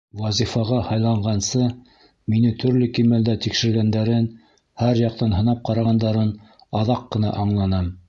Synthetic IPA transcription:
wɑzifɑʁɑhɑjlˠɑɴɢɑnsɤ | minɘt̪ʰɵ̆ɾlɵkimæld̪æt̪ikʃɘ̆ɾɡænd̪æɾɘn | hæɾjɑq̚t̪ɑnɦɤ̆nɑp̚qɑɾɑʁɑnd̪ɑɾɤn | ɑðɑqːɤ̆nɑ̰ʔɑɴlˠɑnɑm

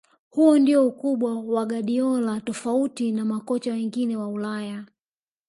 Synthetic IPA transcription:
huɔndiɔukuɓwawaɠaɗiɔlatɔfautinamakɔt͡ʃawɛŋɡinɛwaulaja

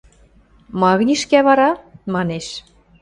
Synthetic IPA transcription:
mɑɣnʲiʃkæβɑɾɑmɑneʃ

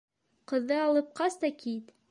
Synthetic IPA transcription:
qɤ̆ðːɤɑlˠɤp̚qɑst̪ɑkit̪

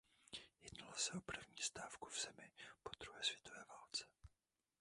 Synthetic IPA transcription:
jɛdnalasɛopr̩vɲiːst̪aːfkuvz̥ɛmɪpod̪ɾuɦɛːsvjɛt̪o̞vɛːvalt͡sɛ̥

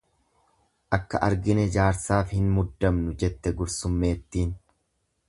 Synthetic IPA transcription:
ʔɐkːɐ̰ʔɐɾɡɪnɛd͡ʒaːɾsaːfhɪnmʊd̪ːɐmnʊd͡ʒɛt̪ːɛɡʊɾsʊmːe̞ːt̪ːiːn

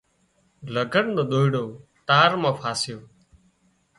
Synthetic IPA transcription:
ləɡʱəɳd̪oːɗ̪oːiɽoːt̪aːɾmãːpʰaːsɪjoː

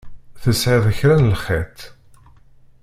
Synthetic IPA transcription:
θəsʕɪðˤəçɾænlχet̪

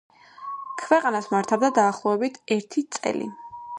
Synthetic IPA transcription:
kʰvɛqʼanasmaɾt̪ʰabd̪ad̪aːχlˠɔɛbit̪ʰɛɾt̪ʰit̪sʼɛ̰lḭ

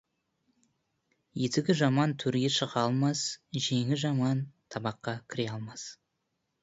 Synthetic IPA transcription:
jet̪ɪɡʲɪʒɑmɑnt̪ʰɵɾɡʲe̞ʃəʁɑlˠmɑsʒeŋɪzʒɑmɑnt̪ʰɑbɑqːɑkʲʰɪɾe̞ɑlˠmɑs

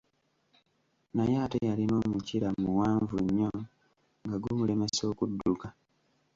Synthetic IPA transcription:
najeːtejalino̞ːmuciɾamuwaːɱvuɲːo | ŋɡaɡumule̞me̞so̞ːkudːuka

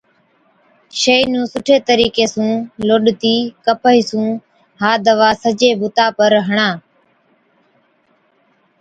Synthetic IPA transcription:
ʃeinũːsʊʈʰeːt̪əɾiːkeːsũːloːɗt̪iːkəpəiːsũː | ɦaːd̪əʋaːsəd͡ʒeːbʊt̪aːpəɾɦəɳaː

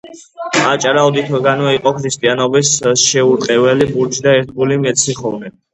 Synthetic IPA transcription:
at͡ʃʼɾaɔd̪it̪ʰɔɡanɔiqʼɔkʰɾist̪ʼianɔbisʃɛuɾt̪qʼɛvɛlibuɾd͡ʒd̪aɛɾt̪ʰɡulimɛt̪sʰiχɔvnɛ

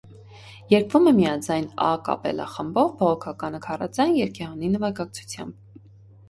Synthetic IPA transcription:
jɛɾkvumɛmijɑd͡zɑjnɑ̰kɑ̰pɛ̰lɑ̰χəmbɔvbɔʁɔkʰɑkɑnəkʰɑrɑ̰t͡sɑjnjɛɾkʰɛɑninəvɑɡɑk̚t͡sʰu̥t͡sʰjɑ̰mb̚

